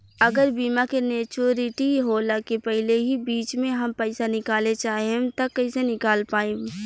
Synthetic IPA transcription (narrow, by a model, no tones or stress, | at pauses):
ɐɡəɾbiːmakeneːt͡ʃoːɾɪʈiɦolakepɛɦɪleɦibiːt͡ʃmẽɦɐmpɛɪsanɪkaːlet͡ʃaːɦet̪ɐkːɐɪsenɪkaːlpaːẽ